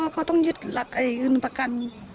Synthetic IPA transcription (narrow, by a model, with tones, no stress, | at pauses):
kʰa˧˩wt̪ɔ˥˨ŋjɯ˧t̪̚la˧t̪̚ʔa˨˩jʔɯː˧˩˨npa˧ka˨n